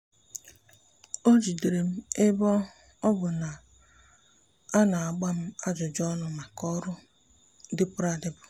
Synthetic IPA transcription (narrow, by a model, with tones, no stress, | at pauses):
o˦d͡ʒi˨de˨ɾe˨m̩˦e˦bɔ˦ | ɔ˦bʊ˨na˨ | a˦na˨a˨ɡ͡ba˦m̩˦a˦d͡ʒʊ˨d͡ʒɔ˦nʊ˨ma˨kɔ˦ɾʊ˦ | dɪ˦pʊ˦ɾa˨dɪ˦bʊ˨